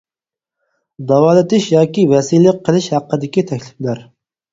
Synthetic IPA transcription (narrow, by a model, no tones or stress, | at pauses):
d̪ɑwɑːlˠɨt̪ɪʃjɑːkʲivɛsilɪqʰːəlˠɪʃhæqːəd̪ɪkʲit̪ʰɛkʲlɪflæɾ